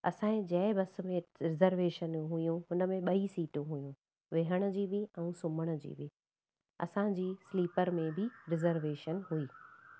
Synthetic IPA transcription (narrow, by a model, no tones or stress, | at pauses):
ɐ̰sãːẽd͡ʑɐɪbɐsʊ̆mẽɾɪzəɾʋeːʃənɦʊijũɦʊnə̆mẽɓɐisiːʈɦujũ | ʋeɦəɽ̃ʊ̆d͡ʑiːbɪɛ̃ːsʊməɽ̃ʊ̆d͡ʑḭːbɪ | ɐ̰sãd͡ʑiːsliːpəɾmẽbʱɪɾɪzəɾʋeːʃənɦuiː